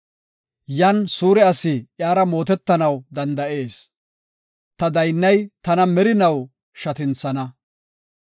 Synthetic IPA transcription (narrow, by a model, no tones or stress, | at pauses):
jɐnsuːɾɛɐsɪʔjaːɾɐmo̞ːt̪ɛt̪ːɐnɐwd̪ɐnd̪ɐʔe̞ːs | t̪ɐd̪ɐjnːɐjt̪ɐnɐmɛɾɪnɐw | ʃɐt̪ɪnsɐnɐ